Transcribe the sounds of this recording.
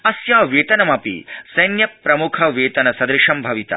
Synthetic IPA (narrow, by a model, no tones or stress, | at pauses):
ɐsjaːʋeːt̪ɐnɐmɐpḭsɐjnjɐpɾɐmukʰɐʋeːt̪ɐnɐsɐd̪ɾɪʂɐmbʱɐʋit̪ɐ̰